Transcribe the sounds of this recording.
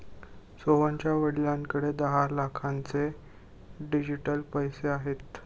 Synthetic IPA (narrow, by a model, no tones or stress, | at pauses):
soʋəɲt͡ɕjaʋəɽiljãŋkəɽed̪əɦalakʰãnt͡se | ɖid͡ʑiʈəlpəjseaɦet̪